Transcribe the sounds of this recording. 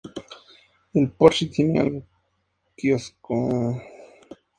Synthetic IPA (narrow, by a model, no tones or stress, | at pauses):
elpoɾʃit̪ʰinia̰l | kiosko